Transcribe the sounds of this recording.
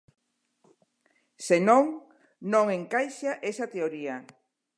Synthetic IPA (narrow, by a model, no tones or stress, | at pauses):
senõŋ | nõŋeŋkajʃaʔesat̪eoɾia